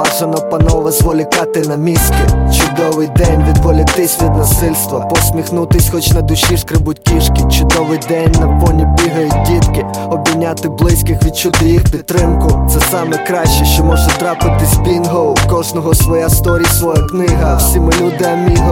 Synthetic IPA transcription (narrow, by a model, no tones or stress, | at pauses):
ɑʒɐnɐpɐnɔʋɐzʋɔlʲɪkɑt̪ɪnɐmʲisʲkʲɪt͡ʃʊd̪ɔʋɪjd̪ɛnʲʋʲid̪ʋɔlʲɪt̪ɪsʲʋʲid̪nɐsɪlʲst̪ʋɐ̰pɔsʲmʲixnut̪ɪsʲxɔt͡ʃʲnɐd̪ʊʃiʃkɾɪbʊtʲiʃkʲɪt͡ʃʊd̪ɔʋɪjd̪ɛnʲnɐpɔnʲibʲiɦɐjʊdʲit̪kɪ | ɔbʲinʲat̪ɪblˠɪsʲkɪxʋʲid̪̚t͡ʃʊd̪ɔjixpʲit̪ːɾɪmkʊt̪sɛsɑmɛkɾɑʃt͡ʃɛʃt͡ʃɔmɔʒɛt̪ɾɑpɪt̪ɪzʲbʲinɦowkɔʒnɔɦɔsʋɔjast̪ɔɾʲijsʋɔjɐknɪɦɐːwsʲimɪlʲud̪ɪɐmʲiɦɐ